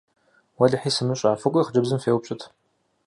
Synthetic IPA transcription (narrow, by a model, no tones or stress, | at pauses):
wɐɮɨħiːsɨmɨɕʼaːfɨkʷʼʊiχd͡ʒɨbzɨmfeːwpɕʼɪtʰ